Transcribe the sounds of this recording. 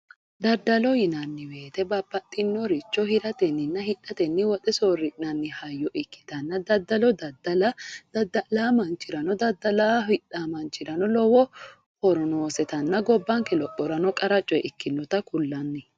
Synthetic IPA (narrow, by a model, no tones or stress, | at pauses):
d̪ɐd̪ːɐlɔjɪnɐnːɪweːt̪ɛbɐpːɐt̪ʼːɪnːɔɾɪt͡ʃːɔhɪɾɐt̪ɛnːɪnːɐhɪᶑːɐt̪ɛnːɪwɔt̪ʼɛsoːɾɪnɐnːɪhɐjːɔʔɪkːɪ̥t̪ɐnːɐd̪ɐd̪ɐlɔd̪ɐd̪ɐlɐɐd̪ɐlamɐnt͡ʃɪɾɐnɔd̪ɐd̪ːɐlaɪᶑaːmɐnt͡ʃɪɾɐnɔlɔwɔ | hɔɾɔnoːsɛt̪ɐnːɐɡɔbːɐŋkɛlɔpʼːɔɾɐnɔkʼɐɾɐt͡ʃʼːɔjɛʔɪkːɪnːɔt̪ɐkʊlːɐnːɪ